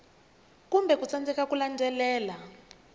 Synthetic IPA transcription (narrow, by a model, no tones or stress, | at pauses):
kumbʱɛk̬ut͡sand͡zɛkakulandʱɛlɛːla